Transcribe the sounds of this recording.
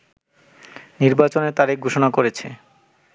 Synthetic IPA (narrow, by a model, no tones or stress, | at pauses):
niɾbat͡ɕonet̪aɾeɡʱoʃonakoɾet͡ɕʰe